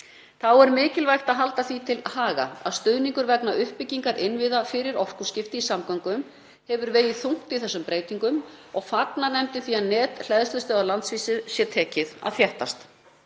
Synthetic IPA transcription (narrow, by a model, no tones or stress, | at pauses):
θawɛɾmɪːcɪlvajxt̪aðɦalt̪aθvit̪ʰɪlhaːɣa̰a̰ðst̪ʏðniŋkʏɾvɛknaʔʏhpɪcːiŋkaɾʔɪnvɪðafɪɾɪɾɔr̥kuscɪft̪ɪisamkawŋkʏm | hɛvʏɾveːjɪðθuŋ̥t̪iθɛsːʏmpɾeːjt̪iŋkʏmɔɣfat̪nanɛmt̪ɪθiaðnɛːt̪l̥ɛðst̪ɛst̪œɣalant̪sviːsɪsjɛt̪ʰɛːcɪða̰ðθjɛht̪ast̪